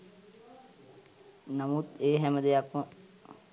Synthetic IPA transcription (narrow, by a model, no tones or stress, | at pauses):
nəmut̪eːɦɛməd̪ejakʋə